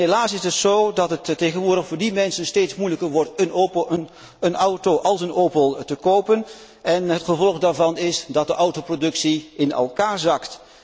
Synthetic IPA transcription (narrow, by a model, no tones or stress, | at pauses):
ɦelaːsɪsətsoːdɑtɦəttːejχənʋʊːɹdəχfʊːɹdimɛnsənsteːtsmujləkəɹʋɔɹtənopn | ənʌwtowʔɑlˠsənowpəlˠtəkowpən | ʔɛnɦətχəvɔlˠəχdaːɹvɑnɪsdɑt̚dəʔʌwtoprodɵksiɪnɛ̰lˠkaːɹzɑkt